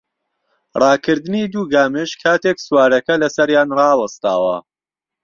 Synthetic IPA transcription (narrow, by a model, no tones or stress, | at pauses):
rˤɑːkʰɨɾd̪ɨnid̪uːɡaːmɨʃkʰaːt̪ʰeksuwaːɾɐkɐlɐsɐɾjaːnrɑːwɐst̪a̰ːwɐ̰